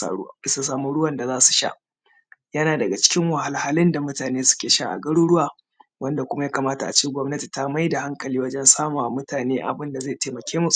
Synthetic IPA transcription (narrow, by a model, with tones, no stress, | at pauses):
sa˨saː˦mu˦ɽʊ˦wɐ˨nda˨zaː˦su̥˨ʃa̰˦ʔ | jɐ˦naː˨dɐ˨ɡa˨t͡ʃɪ̥˦kʲɪ˦ŋwa˨ha˨lha˦lɪ˦nda˨mʊ˦taː˨neː˦sʊ̥˦kʲeː˨ʃa̰˦ʔa̰˨ɡɐ˦ɽuː˦ɽʊ˦waː˨ | wʔɐ˦nda˨kʷʊ˦ma˦jaː˦kaː˨maː˦ta˨ʔa̰˨t͡ʃiː˦ɡʷɔ˦mnɐ˦ti̥˨ta˦ma˦jda˨ha˦ŋkɐ˨liː˦wɐ˦d͡ʒɛ˦nsaː˦maː˨mʊ˦taː˨neː˦ʔa̰˨bɪ˦nda˨zaː˦˨teː˨mɐ˨kʲeː˦mu˦